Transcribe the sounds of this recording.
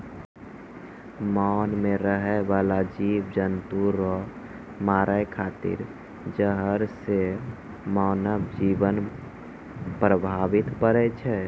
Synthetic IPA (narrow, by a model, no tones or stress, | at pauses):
manmeɾəɦɛbalad͡ʒiʋd͡ʒənt̪uɾɔ | maɾʔəekʰat̪ḭɾ | d͡ʒəɦəɾse | maːnəbd͡ʒibən | pɾəbʱaʋit̪pəɾɛt͡ʃʰɛ